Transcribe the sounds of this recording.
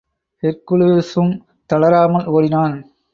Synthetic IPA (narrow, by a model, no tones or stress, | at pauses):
ɪɾkɯɭɯsɯm | t̪ɐɭɐɾaːmɐloːɽɪnaːn